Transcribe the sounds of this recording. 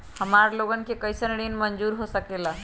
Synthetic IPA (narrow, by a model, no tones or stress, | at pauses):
həmaɾloɡənkekəjsənɽinmənd͡ʒuɾɦosəkela